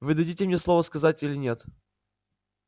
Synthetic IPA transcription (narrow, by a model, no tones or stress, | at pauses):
vɨd̪ɐdʲitʲɪmnʲeslˠovəskɐzatʲilʲɪnʲet̪